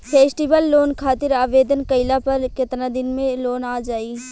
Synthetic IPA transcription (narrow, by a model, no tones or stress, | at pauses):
pʰeːsʈiʋəlːoːnkʰaːt̪ɪɾaːʋeːd̪ənkɐɪlapɐɾkɪt̪nad̪ɪnmẽloːnaːd͡ʒaːiː